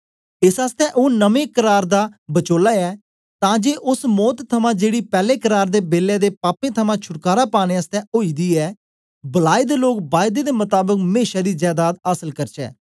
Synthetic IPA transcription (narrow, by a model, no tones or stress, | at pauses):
ɪsaːst̪ɛ̃ːʔoːnəmẽːkəɾaːɾd̪aːbət͡ʃoːlaːɛː | t̪ãːd͡ʒeːʔʊsmɔːt̪t̪ʰːəmãːd͡ʒeːɽiːpɛːleːkəɾaːɾd̪eːbeːlɛːd̪eːpaːpẽːt̪ʰəmãːt͡ʃʰʊʈkaːɾaːpaːɽ̃ẽːəst̪ɛ̃ːʔoːiːd̪iːɛː | bəlaːid̪eːloːkbaːjd̪eːd̪eːmʊt̪aːbəkmeːʃaːd̪iːd͡ʒɛːd̪aːt̪aːsəlkəɾt͡ʃɛ̰ː